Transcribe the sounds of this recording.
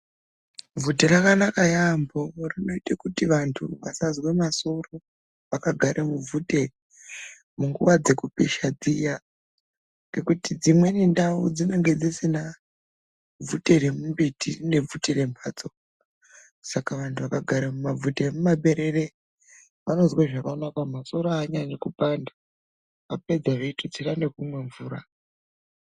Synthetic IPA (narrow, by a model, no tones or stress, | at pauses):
vuteɾakanakajamborino̞itekutiʋantʰuʋasazwemasoro | ʋakaɡʱaɾʔemuvute | muŋɡuʋad͡ze̞kupeʃad͡zija | ŋɡe̞kutid͡zimwe̞nindaud͡zine̞ŋɡe̞d͡zisina | vute̞ɾemumbitine̞vutere̞mpʰaːt͡so̞ | sakaʋantʰuʋakaɡʱaɾamumavutemumaɓe̞ɾe̞ɾe̞ | ʋano̞zweʐakaonakwamaso̞ɾoaɲaɲakupanda | ape̞d͡zaʐeitʰod͡zirane̞kumwe̞ɱvuːɾa